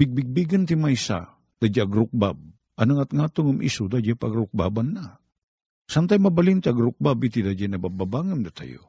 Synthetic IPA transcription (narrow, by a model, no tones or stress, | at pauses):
b̥ɪɡ̚bɪɡ̚biɡant̪imajsa̰ | d̪̥ad͡ʒaaɡɾʊk̚bab̚ | ʔɐnaŋat̪ŋat̪oŋamʔḭsud̪ad͡ʒapaɡɾʊk̚ba̰banːa | sant̪ajmabalint̪ɪaɡɾʊk̚babit̪id̪ad͡ʒajnabababaŋɨmd̪at̪a̰jo̰